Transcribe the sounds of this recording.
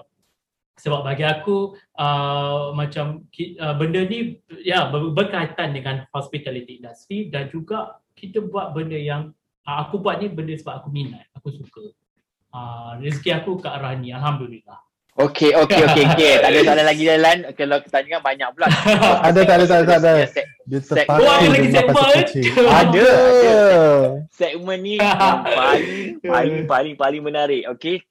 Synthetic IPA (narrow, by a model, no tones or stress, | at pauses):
səbap̚baɡiakuʔəmãt͡ʃamkiəbəndənĩjabəbərkajt̪andəŋãnhɔspit̪alit̪ikindust̪ɾidand͡ʒuɡa | kit̪əbuat̪̚bəndəjaŋ | əːkubuat̪̚nibəndəsəbap̚akuminãt̪̚akusukə | əris̬kiakukaʔɾahnialɦamdulilah | okʰeokeoeoket̪aʔdasaalalaɡidalankalawkə̥t̪aɲuŋanbaɲãk̚pulaadat̪adat̪aat̪adaɛdət̪əɛk̚aoadalaisɛk̚paməiada | sɛk̚mə̃nːiəpaliŋpalɪŋpalɪŋpalɪŋmə̃naɾɪʔoke